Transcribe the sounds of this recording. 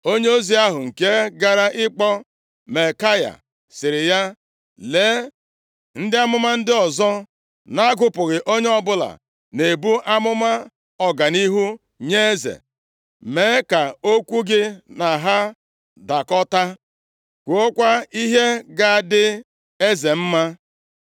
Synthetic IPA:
o˦ɲe˦o˦zi˦a˦ɦʊ˨ŋ̩˨ke˦ɡa˨ɾa˦ʔɪ˦k͡pɔ˦ | me˨ka˦ja̰˨ | sɪ˨ɾɪ˨ja˦ | leː˨˦ | n̩˦dɪ˦a˦mʊ˦ma˦n̩˦dɪ˦ɔ˨zɔ˦ | na˦a˦ɡʊ˨pʊ˨ɣɪ˨ʔo˦ɲe˦ɔ˦bʊ˦la̰˨ | ne˨bu˦ʔa˦mʊ˦ma˦ | ɔ˨ɡa˨ni˦ɦu˦ | ɲe˦e˦zḛ˨ | me˨˦ka˨o˦kʷu˦ɡɪ˦na˨ɦa˦ | da˨kɔ˦ta˦ | kʷo˦kʷa˦i˦ɦe˦ɡa˨dɪ˦ | e˦ze˨m̩˦ma˦

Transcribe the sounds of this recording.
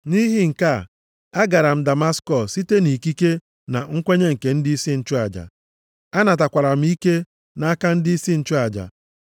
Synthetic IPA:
ni˦ɦi˦ŋ̩˨ka˦˨ | a˦ɡa˨ɾa˨m̩˦da˨ma˦skɔ˨ssːi˦te˦ni˨ki˦ke˦ | na˨ŋ̩˦kʷe˦ɲe˦ŋ̩˨ke˨n̩˦dɪ˦i˦si˦n̩˦t͡ʃʊ˦a˨d͡ʒa̰˨ | a˦na˨t̬a˨kʷa˨ɾa˨m̩˦i˦ke˦ | na˦a˦ka˦n̩˦dɪ˦i˦si˦n̩˦t͡ʃʊ˦a˨d͡ʒa̰˨

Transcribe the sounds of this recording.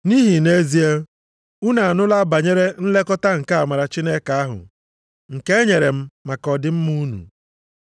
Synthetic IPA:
ni˦ɦi˨ne˦zi˦e˦ | u˦na˨a˨nʊ˦la˦ba˨ɲe˦ɾe˦n̩˦le˦kɔ˦ta˦ŋ̩˨ka˦a˨ma˨ɾa˨t͡ʃi˦ne˦ka˨a˦ɦʊ̰˨ | ŋ̩˨ke˦e˦ɲe˨ɾe˨m̩˦ma˨kɔ˨dɪ˦m̩˦mu˦nṵ˨

